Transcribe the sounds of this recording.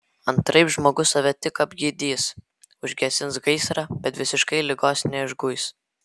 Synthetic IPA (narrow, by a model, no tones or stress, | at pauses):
ɐnt̪ɾɐɪpʒmoːɡʊsɐʋʲɛt̪ʲɪkɐbʲɡʲiːd̪ʲiːs | ʊʒʲɡʲɛsʲɪnsɡɐɪsɾɑbʲɛt̪ʋʲɪsʲɪʃkɐɪlʲɪɡoːsnʲɛɪʒɡʊɪs